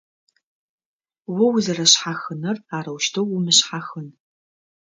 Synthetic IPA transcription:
wɐwzɐrɐɕħaxɨnɐraːɾɐwʃtʰɐwʊmɨɕħaxɨn

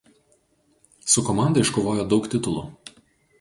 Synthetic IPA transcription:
sʊkɔmɑˑnd̪ɐɪʃkoʋoːjoːd̪ɒʊkt̪ʲɪt̪ʊlˠṵ

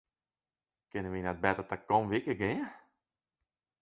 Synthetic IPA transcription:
kɪnəʋinɛt̚bɛtətakɔnʋikəɡɪə

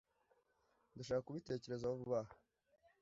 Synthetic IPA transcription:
nduʃaːkakuβite̞ːce̞ɾe̞zawuβuβaha

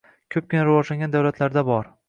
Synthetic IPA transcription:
kʲʰɵp̚kʲʰɪnaɾɪvɒd͡ʒlaŋɡʲand̪awlat̪ʰlaɾd̪abɒɾ

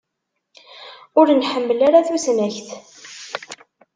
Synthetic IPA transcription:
ʊɾnħəmːəlaɾaθusnæçθ

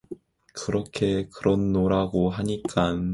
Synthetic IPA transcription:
kɯɾʌkʰe̞kɯɾʌnːoɾaɡoɦaɲik͈an

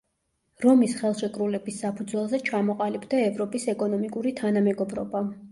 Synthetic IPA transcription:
ɾɔmisχɛlˠʃɛkʼɾulɛbisːapʰud̪zwɛlˠzɛt͡ʃʰamɔqʼalibd̪aɛvɾɔpʼisɛkʼɔnɔmikʼuɾit̪ʰanamɛɡɔbɾɔba

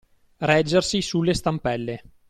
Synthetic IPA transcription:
rɛd͡ʒːersisulːest̪ampɛlːe

